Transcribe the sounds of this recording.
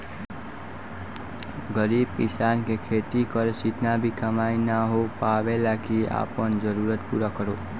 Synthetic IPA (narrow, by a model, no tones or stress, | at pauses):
ɡʌɾib̚kisankekʰet̪ikʌɾsit̪nabikəmajnaɦopabelakia̰pʌnd͡ʒʌɾuɾʌt̪puɾakʌɾo